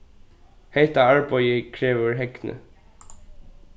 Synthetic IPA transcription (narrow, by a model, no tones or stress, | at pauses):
hɛht̪aaɹpɔjɪkʰɾɛːʋʏɹɦɛknə̰